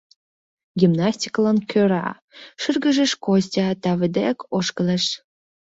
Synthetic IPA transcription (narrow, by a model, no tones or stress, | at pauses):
ɡʲimnɑsʲtʲi̥klɑnkʰʲøɾɑ̰ | ʃɨrɡə̆ʒə̆ʃkosʲtʲɑt̪ɑvə̆d̪ekoʃkə̆leʃ